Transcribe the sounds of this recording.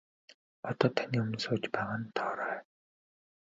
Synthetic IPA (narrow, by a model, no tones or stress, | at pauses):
ɔt̪ɔːt̪ʰaniːɵm̆nsʊːt͡ɕpæʁə̆nt̪ʰɔːɾœː